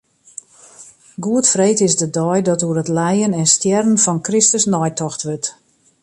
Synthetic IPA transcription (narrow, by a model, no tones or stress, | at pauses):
ɡuətfreːtɪsdədɔjdɔtuərətlɛjənɛnstjɛrənfɔnkrɪstəsnɔjtɔxtʋøt